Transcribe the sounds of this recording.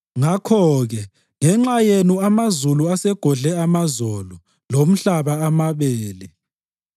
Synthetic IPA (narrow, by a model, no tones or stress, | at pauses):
ŋakʰɔɣɛ | ŋɛŋ͡ǁajenuamazuluasɛɡ̥ʱɔɮɛamazɔlɔ | lom̩ɬaβaamaβeːli